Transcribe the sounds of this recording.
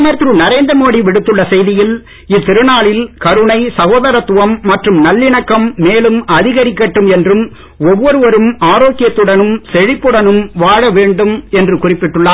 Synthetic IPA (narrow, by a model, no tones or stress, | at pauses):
mɐɾt̪ɾɯnɪɾɐɪnd̪ɐmoːɽiʋɪɽɯt̪ːɯɭːɐsɛjðɪjɪl | ɪt̪ːɪɾɯnaːɭɪlkɐɾɯɳɐɪsɐɣoːðɐɾɐt̪ːʊʋɐmːɐʈrɯmnɐlːɪɳɐkːɐmːeːlɯmɐðɪɣɐɾɪkːɐʈːɯmɛndrɯm | ɔʋːɔɾɯʋɐɾɯmaːɾoːkːɪjɐt̪ːɯɽɐnɯmsɛɻɪpːɯɽɐnɯmʋaːɻɐʋeːɳɖɯmɛndrɯkʊrɪpːɪʈːɯɭːaː